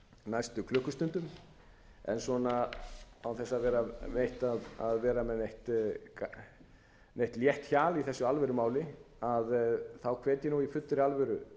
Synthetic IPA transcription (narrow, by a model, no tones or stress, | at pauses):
najst̪ʏkʰlʏhkːʏst̪ʏnt̪ʏm | ɛ̰nsɔnaawθɛsːavɛːɾamejht̪aða̰ðvɛːɾamɛðejht̪ | nejht̪ljɛht̪çaːliθɛsːʏalvɛɾʏmaːwlɪ | aðθawkʰveːt̪jɪnuifʏt̪ːɾɪalvɛɾʏ